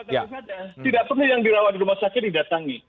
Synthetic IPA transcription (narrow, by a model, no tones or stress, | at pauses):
asad͡ʒat̪idaʔ̚pərnʊjaŋdiɾawat̪̚diɾumahsakɪt̪̚didat̪aŋi